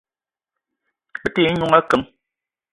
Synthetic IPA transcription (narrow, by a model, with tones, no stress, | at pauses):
ɓɨ˦te˦ɲu˦ŋa˦kɨ˨˦ŋ